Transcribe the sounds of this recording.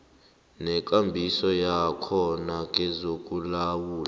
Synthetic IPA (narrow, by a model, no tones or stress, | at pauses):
nɛk̬ʼambʱisɔjakʰɔnak̬ʼɛzokʼulawuːla